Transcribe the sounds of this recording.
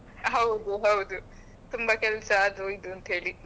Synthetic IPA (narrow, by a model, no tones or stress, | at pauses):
ɦɐwd̪uɦɐwd̪u | t̪umbɐkɛlsɐaːd̪uid̪uɐnt̪ɦe̞ːɭi